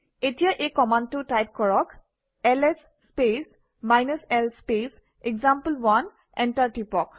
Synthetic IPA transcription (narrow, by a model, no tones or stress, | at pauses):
etijaʔekɔmandtʊtajp̚kɔɹɔk | ɛlɛsːpes | majnusɛlspes | ɛɡzampəlbʊan | ɛntaɹtipɔk